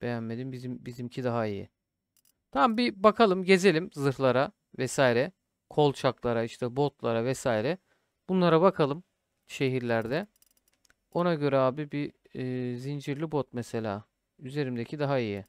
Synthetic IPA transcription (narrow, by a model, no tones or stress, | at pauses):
b̥e̞jænme̞d̪imbizimbizimcʰid̪aɦaijḭ | t̪ʰambibakʰalˠɯmɟe̞ze̞lʲimzɯɾlˠaɾa | vɛsaːiɾɛ | kʰo̞lˠt͡ʃʰaklˠaɾaiʃt̪ʰɛbo̞t̪lˠaɾavɛsaːiɾɛ | b̥unlˠaɾabakʰalˠɯm | ʃe̞ɦiɾlʲæɾd̪ɛ | o̞naɟø̞ɾɛaːbibiː | zind͡ʒiɾlʲibot̪̚mɛse̞lʲa̰ː | yze̞ɾimd̪e̞cʰid̪aɦaiji